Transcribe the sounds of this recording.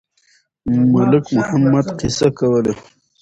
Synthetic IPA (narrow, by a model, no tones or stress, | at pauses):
mʊlɪkmʊhamːad̪qɪsakawəle